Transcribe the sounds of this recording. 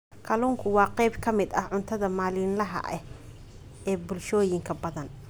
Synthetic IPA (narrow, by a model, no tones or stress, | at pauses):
kʰɐluːŋkʰʊwɑːqɛjbkʰɐmɪd̪ɐʕʊnt̪ʰɐðɐmaːlɪnlɐɦɐ̰ʔɛh | ɛːbʊlʃɔːjɪŋkʰɐbɐðɐn